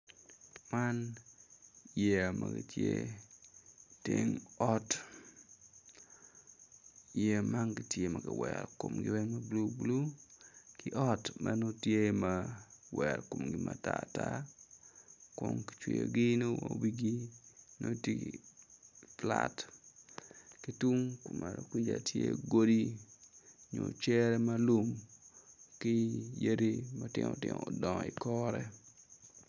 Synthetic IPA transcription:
man | je˨a˨mʔaɡi˨tje˦ | teŋɔ˦t | je˨ma˦ŋɡitje˦mɐ˨kɪ˨wɛɾko˨mɡɪwɛ˦ŋmɐblu˦blu˦kɪ˦ʔɔtmʔɐ˦no˦tje˦mawɛɾko˨mɡɪmʔatata˦ | ko˨ŋki̥t͡ʃwḭ˨joɡi˦no˦owi˦ɡino˦ti | plat | ki˦tu˦ŋkmaɾoku˦d͡ʒatʰje˦ɡo˦di˦ | ɲo˨t͡ʃɛ˦ɾɛ˦ma˦lu˦m | ki˦je˦ɾi˦matɪ˦ŋotɪŋodɔ˨i˨kɔɾɛ

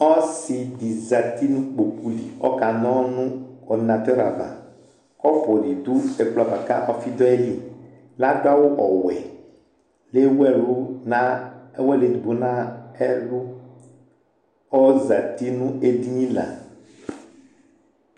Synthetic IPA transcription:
ɔ˦si˨di˨za˨t̪i˦nũ˦k͡po˨ku˦li˨ɔ̰˦ka˨nɔ̃˦nũ˦ɔ˨nã˨t̪ɔ˦ɾa˨ba̰˨ | kɔ˦fɔ˨di˨d̪u˦ɛ˨k͡pla˨ba˨ka˦ʔɔ˦fi˦d̪ɔ˦ɛ˦li˦ | la˦da˦wʊ˦ʔɔ˨wɛ˨ | le˦wɛ˦lu˦na˦ɛ˦wɛ˦le˨di˨bo˨nã˦ɛ˦lu˦ | ɔ˦za˨t̪i˦nũ˦e˦di˦nĩ˦la̰˨

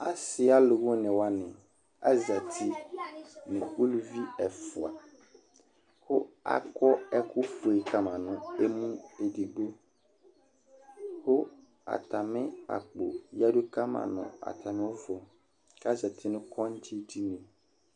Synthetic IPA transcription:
a˦sɪ˨a˦lʊ˨ɣʊ̃˦nɪ̃˨wa˦nɪ̃˨ | a̰˦za˨tʰi˦ | nɪ̃˨u˦lu˨vi˦ɛ˨fʊ˨a̰˨ | hʊ˦a̰˨kʰɔ˦ɛ˦kʰʊ˦fu˨e˨kʰa˦mã˨nʊ̃˨e˦mũ˦e˨di˨ɡ͡bo˦ | hʊ˦ | a̰˨tʰa˨mɪ̃˦a̰˨k͡po̰˨ja˦du˦kʰa˦mã̰˨nʊ̰̃˨a̰˨tʰa˨mɪ̃˦ɔ˦vɔ˨ | ka˦za˨tʰi˦nʊ̃˦kʰɔ˦n˦t͡ɕʰi˦di˦nɪ̃˨

